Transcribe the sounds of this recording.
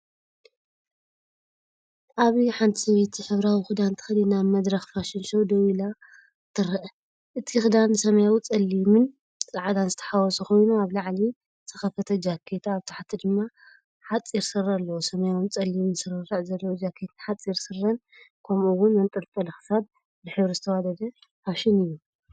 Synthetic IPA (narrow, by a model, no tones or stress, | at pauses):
ʔaβiħant̪ʰisɐβet̪ʰiħɨβɾawixɨd̪ant̪ʰɨ̥xɐlinaβmɐd̪ɾɐxfaʃɪnʃowd̪ɐwila | t̪ʰɨɾɐʔ | ʔɨt̪ʰixɨd̪ansɐmɐjawit͡sʼɐlːimɨn | t͡st͡sʼaʕad̪anzɨt̪ʰɐ̥ħawɔsuko̞jnuaβlaʕli | t̪ʰɨxɐfɐt̪ʰɐd͡ʒakʰːet̪ʰaːβt̪ʰḁħt̪ʰid̪ɨmːa | ħat͡sʼːiɾsɨralːɐwosɐmɐjawɨnt͡sʼɐlːimɨnsɨɾɨrɨʕzɐlːɐwod͡ʒakʰːet̪ɨnħat͡sʼːiɾsɨrːɐn | kʰɐmuwʊnmɐnt̪ʼɨɾt̪ʼɐlɐxɨ̥sab̚ | lɨħɨβɾɨzɨt̪ʰɐwad̪ɐd̪ɐ | aβʃɪnɨjːu